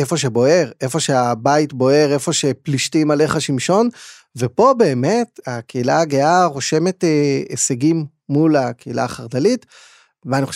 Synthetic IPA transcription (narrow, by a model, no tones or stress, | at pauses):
efo̞ʃ̬e̞bo̞e̞ʁe̞fo̞ʃeabaitbo̞e̞ʁe̞fo̞ʃe̞pliʃtimale̞χaʃimʃo̞n | vepo̞be̞ːme̞takʰeilaaɡeaʁo̞ʃe̞me̞teḛseɡimː | ulakeila̰ːχaʁdalit | veaniχoʃ